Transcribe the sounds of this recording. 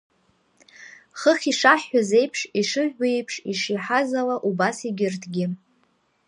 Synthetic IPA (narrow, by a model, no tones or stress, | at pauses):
χəχʲiʂaħːaze̞jpʰʂiʂɨʒʷᶣejpʰʂiʂiħazalaʔubasiɡʲɪrtʰɡʲɪ